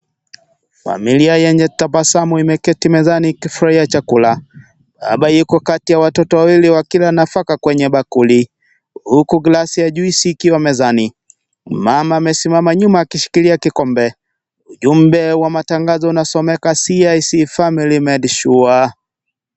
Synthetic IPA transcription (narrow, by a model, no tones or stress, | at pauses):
fa̰miliajɛɲd͡ʒɛtapasamuimɛkɛtimɛzanikifuɾaiat͡ʃakula | ɓa̰ɓajikɔkatijawatɔtɔwawiliwakilanafakakwɛɲɛɓakuli | hukuɡlasiaʄuisiːkiwamɛzani | mamaːmɛsimamaɲumaːkiʃi̥kiliakikɔmbɛ | uʄum̩bɛwamataŋɡazɔunasɔmɛkasiajisifamilimɛdʃua